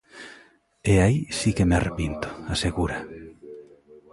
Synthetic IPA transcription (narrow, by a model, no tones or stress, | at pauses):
eaisikemarepint̪ʊ̥aseɣuɾa